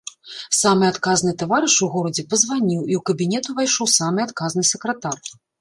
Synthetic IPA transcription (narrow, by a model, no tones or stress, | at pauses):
samɨat̪kaznɨt̪avaɾɨʂuɣɔɾɐd͡zʲɛpɐzvanʲiwiuwkɐbʲinʲɛt̪uvajʂɔwsamɨat̪kaznɨsʲɛkɾɐt̪ar